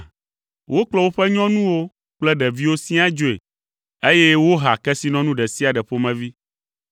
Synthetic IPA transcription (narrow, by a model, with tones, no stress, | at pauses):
wʔo˦k͡plɔ˦wo˦ɸɛ˦ɲɔ̃˦nũ˦wo˦ | k͡plɛ˦ɖɛ˨vi˦wo˦sĩ˦a˦d͡ʒo˨ḛ˨ | e˦jɛ˦wo˦ɦa˨kɛ˦si˦nɔ̃˦nũ˦ɖɛ˨si˦a˨ɖɛ˨ɸo˦mɛ̃˨vi˦